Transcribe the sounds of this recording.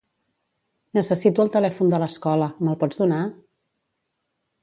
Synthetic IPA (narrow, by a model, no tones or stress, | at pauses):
nəsəsit̪uəlˠt̪əlɛfund̪ələskɔləməlˠpɔd͡zd̪una